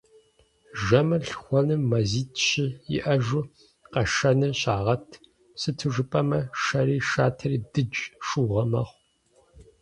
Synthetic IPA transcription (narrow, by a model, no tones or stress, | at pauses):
ʒɐmɐɬxʷɔnɨmːɐziːtʰʼɕɪjɪ̰ʔɐʒʊ | qɐʃɐnɨɕʼaːʁɐtʰ | sɨtʰɨʐɨpʼɐmɐʃɐɾiːʃaːtʰɐɾiːdɨd͡ʒʼʂuːʁɐmɐχʷ